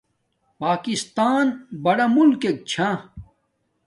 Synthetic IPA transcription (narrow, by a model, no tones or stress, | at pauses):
paːkist̪aːnbɐɽɐmulkek̚t͡ɕʰã